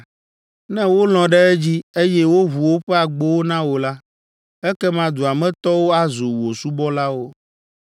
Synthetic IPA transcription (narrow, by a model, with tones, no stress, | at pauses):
nɛ̃˦wo˦l̃ɔ̃˨ɖɛ˦ɛ˦d͡ʑi˦e˦jɛ˦wo˦ɦu˨wo˦ɸɛ˦a˨ɡ͡bo˦wo˦nã˦wo˨la˦ | ɛ˦kɛ˦mã˨d̪u˨a˨mɛ̃˦t̪ɔ˦wo˦a˦zo˨wo˨su˦bɔ˦la˦wo˦